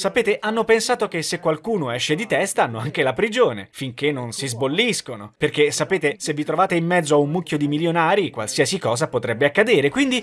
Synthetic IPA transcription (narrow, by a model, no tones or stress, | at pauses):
sapeːt̪eʔanːopensaːt̪okesːekːwalkuːnoɛʃːed̪it̪ɛst̪anːoaŋkelapɾid͡ʒoːnḛfiŋkenːonsizbolːiskonoperkesːapeːt̪esevːit̪ɾovaːt̪eimːɛd̪zːoaunmukːjod̪imiljonaːɾikwa̰lsiɛsikɔːzapot̪ɾɛbːeakːad̪eːɾekwind̪i